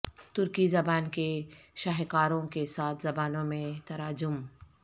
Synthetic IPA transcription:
t̪ʊɾkizɐbaːnkeʃaɦkaːɾõkesaːt̪ʰzɐbaːnõmẽt̪ɐɾaːd͡ʒʊm

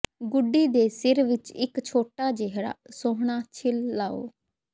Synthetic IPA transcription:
ɡʊɖːiːd̪eːsɪɾʋɪt͡ʃɪkt͡ʃʰoːʈaːd͡ʒeɦɾa̰ːsoːɦɳaːt͡ʃʰɪlːaːo̰ː

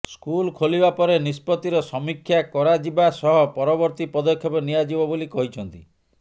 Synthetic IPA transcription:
skulkʰolibapɔɾenispɔt̪iɾɔsɔmikʰːjakɔɾad͡ʒibasɔɦɔpɔɾɔbɔɾt̪ipɔd̪ɔkʰːjɔpɔniad͡ʒibɔbolikɔɦit͡ʃʰɔnt̪i

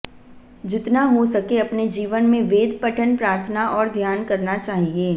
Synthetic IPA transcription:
d͡ʒɪt̪naɦosɐkeɐpned͡ʒiːʋənmẽʋeːd̪ʱpɐʈʰənpɾaːɾt̪ʰənaʔɔːɾd̪ʱjaːnkɐɾnat͡ʃaːɦieː

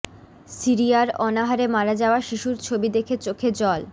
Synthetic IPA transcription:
siɾijaɾɔnaɦaɾemaɾad͡ʑaoaʃiʃuɾt͡ɕʰobid̪ekʰet͡ɕokʰed͡ʑɔl

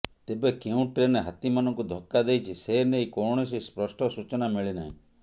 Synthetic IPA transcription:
t̪ebekeũʈɾeneɦat̪imanɔŋkud̪ʱɔkːad̪ejt͡ʃʰisenejkɔɳ̃ɔs̬ispɾɔsʈɔsut͡ʃɔnamiɭina̰ɦḭ̃

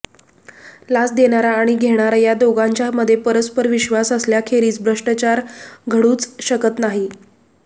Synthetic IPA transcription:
lasd̪eɽ̃aɾaːɽ̃iɡʱeɽ̃aɾajad̪oɡãɲt͡ɕjaməd̪ʱːjepəɾəspəɾʋiɕʋasəsljakʰeɾiːt͡sbʱɾəʂʈət͡ɕaɾɡʱəɽuːt͡sɕəkət̪naɦi

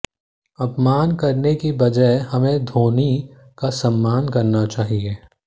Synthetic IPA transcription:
ɐpmaːnkɐɾnekibɐd͡ʒəɪhɐmẽd̪ʱoːni | kasɐmːaːnkɐɾnat͡ʃaːɦieː

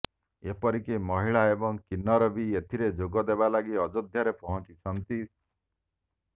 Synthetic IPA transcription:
epɔɾikemɔɦiɭaebɔŋkinːɔɾɔbiet̪ʰiɾed͡ʒoɡɔd̪ebalaɡiɔd͡ʒod̪ʱjaɾepɔɦɔnt͡ʃisɔnt̪i

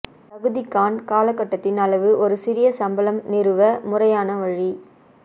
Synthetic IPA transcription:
p̪ɐɣɯðɪkːaːnkaːlɐkːɐʈːɐt̪ːɪnɐlɐʋɯʔɔɾɯsɪɾɪjɐsɐmbɐlɐmnɪɾɯʋɐmʊrɐjaːnɐʋɐɻi

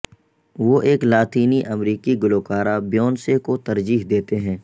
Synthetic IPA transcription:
ʋoʔeːklaːt̪iːniʔɐmɾiːkiɡʊloːkaːɾabjɔːnsekot̪ɐɾd͡ʒiːɦd̪eːt̪eɦɛ̃ː

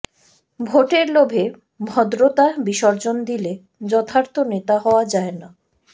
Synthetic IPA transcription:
bʱoʈeɾlobʱe | mʱɔd̪ɾot̪abiʃɔɾd͡ʑond̪ile | d͡ʑɔt̪ʰaɾt̪ʰonet̪aɦɔoad͡ʑaena

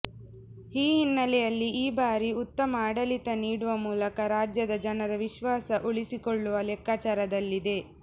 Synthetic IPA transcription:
iːɦinːɐlɛjɐlːiʔiːbaːɾiut̪ːɐmɐːɽɐlit̪ɐniːɽuʋɐmuːlɐkɐɾaːd͡ʒjɐd̪ɐd͡ʒɐnɐɾɐʋiʃʋaːsɐʔoɭisikoɭːuʋɐlɛkːaːt͡ʃaːɾɐd̪ɐlːid̪e̞

